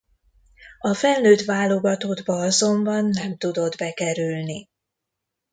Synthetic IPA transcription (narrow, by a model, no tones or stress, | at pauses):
ɒfɛlːøːt̪ʋaːlo̞ɡɒt̪oːd̪bɒɒzo̞mbɒnːɛmt̪ud̪o̞d̪bɛkɛɾylni